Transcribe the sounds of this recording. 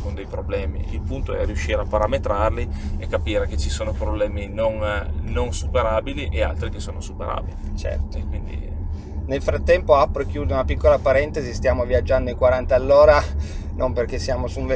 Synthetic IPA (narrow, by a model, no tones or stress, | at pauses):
kond̪ejpɾoblɛːmḭilpunt̪oɛ̰ariuʃːiːɾeapːaɾamet̪ɾarliekːapiːɾek̟et͡ʃːisoːnopɾoblɛːminonnonsupeɾaːbiliʔea̰lt̪ɾikesːoːnosupeɾa̰ːbilit͡ʃɛ̰rt̪okwind̪ḭ | nelfɾat̪ːɛmpoapːɾekjuːd̪eunapikːolapaɾɛnt̪ezist̪jaːmoviad͡ʒːand̪oiŋkwaɾant̪aalːoːɾa | nomperkesːjaːmosuɱve